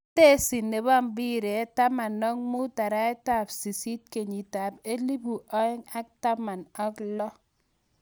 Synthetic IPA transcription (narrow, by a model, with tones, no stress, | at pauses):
te˦si˨nːe˨ba˦mbi˦ɾe˨˦ta˦ma˨nːɔ˦ŋmu˦ta˨ɾa˦ɛ˦ta˦˨psi˨si˦t̚ke˨ɲi˨ta˨pe˦li˦bu˨ʔɔ˦ɪ˦ŋa˦k̚ta˦ma˨nɔ˦klɔ˦